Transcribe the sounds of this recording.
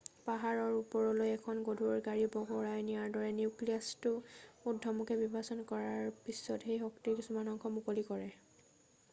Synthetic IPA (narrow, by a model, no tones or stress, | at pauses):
paɦaɹɔɹupɔɹɔlojɛkʰɔnɡodʱuɹɡaɹibɔɡɔɹajnijaɹdɔɹɛniʊklijastʊudʱɔmukɛbibʱasɔnkɔɹaɹpisːɔtxejɦɔktikisumanɔŋkʰɔmukolikɔɹɛ